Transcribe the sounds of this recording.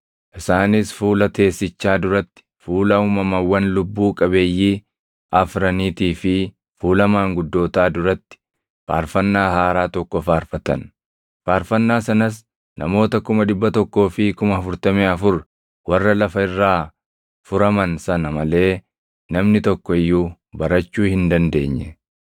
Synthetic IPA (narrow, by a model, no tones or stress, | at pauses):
ʔɪsaːnisfuːlɐt̪e̞ːsːɪt͡ʃːaːd̪ʊɾɐt̪ːɪ̥fuːlɐuːmɐmɐwːɐnlʊbːuːkʼɐbe̞ːjːiː | ʔɐfɾɐniːt̪iːfɪ | fuːlɐmaːŋɡʊd̪ːo̞ːt̪aːd̪ʊɾɐt̪ːɪ̥ | fa̰ːɾfɐnːaːhaːɾaːt̪ɔkːɔfaːɾfɐt̪ɐ̰n | faːɾfɐnːaːsɐnɐs̬ | nɐ̰mo̞ːt̪ɐkʊmɐd̪ɪbːɐt̪ɔkːo̞ːfɪkʊmɐɐfʊɾt̪ɐmeːɐfʊɾ | wɐrːɐlɐfɐɪrːaː | fʊɾɐmɐnsɐnɐmɐle̞ː | nɐmnɪt̪ɔkːɔɪjːuː | bɐɾɐt͡ʃːuːhɪnd̪ɐnd̪e̞ːɲːɛ